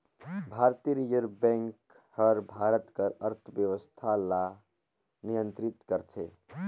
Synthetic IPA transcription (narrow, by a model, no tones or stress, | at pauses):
bʱaːɾt̪iɾid͡ʒəɾbɛ̃ŋk | həɾbʱaɾət̪kəɾəɾt̪ʰbjəʋəst̪ʰala | nijə̃nt̪ɾit̪kəɾt͡ʃʰe